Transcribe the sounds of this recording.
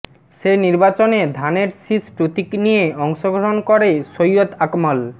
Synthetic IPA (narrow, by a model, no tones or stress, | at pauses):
ʃeniɾbat͡ɕoned̪ʱaneɾsispɾut̪iknijeɔŋʃoɡʱoɾonkoɾesojot̪akmal